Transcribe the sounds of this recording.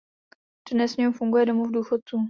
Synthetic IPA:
r̥ɛdnɛsɲɛufuŋɡujɛdo̞muvduːxot̪̚t͡suː

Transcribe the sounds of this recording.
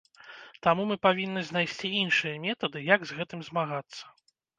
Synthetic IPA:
t̪amumɨpavʲinːɨzʲnajsʲt͡sʲiinʂɨjɐmʲɛt̪ɐd̪ɨjaɡzɣɛt̪ɨmzmaɣat̪sːɐ̥

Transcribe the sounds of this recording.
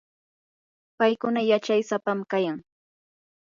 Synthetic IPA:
pajkʊnajat͡ʃajsapamkajaŋ

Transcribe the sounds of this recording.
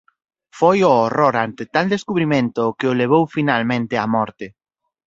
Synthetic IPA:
fojoːroɾant̪ɪt̪ald̪eskuβɾimẽnt̪ʊkɪʊleβ̞owfinalmẽnt̪ɪamɔɾt̪ɪ

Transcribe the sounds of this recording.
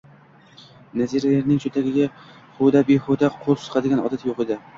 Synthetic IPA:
naziɾajeɾnɪŋt͡ʃʰɵt̪ʰaɡʲɪɡʲa | χod̪abehod̪aqʰolˠsɨ̥qɑd̪ɪɡʲanɒ̰d̪at̪joqed̪ɪ

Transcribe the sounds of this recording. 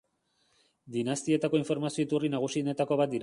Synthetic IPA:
d̪inast̪ie̞t̪ako̞iɱfo̞ɾmasio̞it̪urinaɣ̞usine̞t̪ako̞β̞at̪̚d̪iɾ

